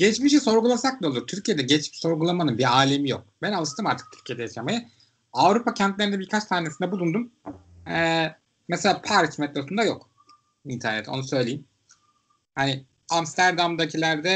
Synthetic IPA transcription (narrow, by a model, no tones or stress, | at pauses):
ɟ̥ɛt͡ʃmiʃ̬iso̞ɾɡulˠasak̚lˠao̞lˠuɾt̪ʰyɾcijed̪ɛɟɛt͡ʃmi̥ʃso̞ɾɡulˠamanɯnbiaːlʲe̞mijok̚bænalˠɯʃt̪ɯmaɾt̪ʰɯ̥k̚t̪ʰyɾcʰijed̪ɛjaʃamajɯ | avɾupʰacʰænt̪lʲe̞ɾinɛbiɾkʰat͡ʃt̪ʰaːnesind̪ɛbulˠund̪um | ɛ | mɛselʲaːpʰæɾt͡ʃmɛt̪losund̪ajo̞̰k | int̪ʰæɾnɛt̪ʰo̞̰nusø̞jlʲejim | hani | amst̪ʰæɾd̪amd̪acʰilʲæɾd̪ɛ